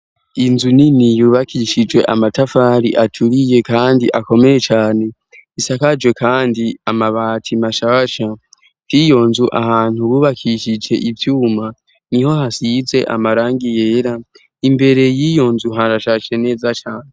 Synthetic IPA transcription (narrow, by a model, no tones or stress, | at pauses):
inzuninijuːβakʰiʃid͡ʒwe̞ʔamatafaːɾiʔatʰuɾije̞kaːndiʔako̞me̞je̞t͡ʃaːne̞ | isakad͡ʒwe̞kʰaːndiamaβaːtʰimaʃaβaʃa | tijo̞nzuʔa̰haːn̥huβuːβakʰiʃid͡ʒe̞ʔivjuːma | niho̞ɦasize̞ʔa̰maɾaːŋɡije̞ːɾa | imbe̞ɾe̞jijo̞nzuɦaɾaʃaʃene̞ːzat͡ʃaːne